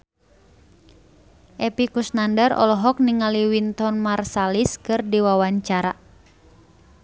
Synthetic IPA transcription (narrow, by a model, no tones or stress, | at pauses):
ʔɛpikusnandərɔ̰lɔɦɔk̚niŋaliwint̪ɔnmarsaliskɨrdiwawaɲt͡ʃaɾa